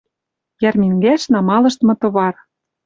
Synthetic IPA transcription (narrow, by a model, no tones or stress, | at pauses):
jærmʲiŋɡæʃnɑmɑlɤ̆ʃt̪mɤ̆t̪ɤ̆βɑr